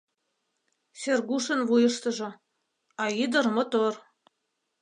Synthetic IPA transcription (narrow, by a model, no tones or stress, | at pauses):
sʲerɡuʃɤ̆nβujɤ̆ʃt̪ɤ̆ʒŏ | ɑid̪ɤ̆rmɤ̆t̪or